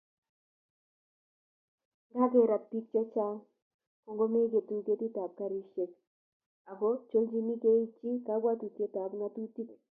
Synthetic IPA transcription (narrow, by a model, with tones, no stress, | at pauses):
ŋɡa˦ke˦ɾa˨pi˦k̚t͡ʃɛ˦t͡ʃa˦ŋ | ko˨˦ŋɡo˦me˦ɡe˨tu˦ŋte˦ti˦ta˨p̚ka˦ɾi˦ʃe˦k | a˨ɡo˦t͡ʃo˦ld͡ʒi˦mi˦ke˦i˦t͡ʃi˦ka˨˦ɡwa˦tu˨tje˦ta˨bŋa˦tu˦ti˦k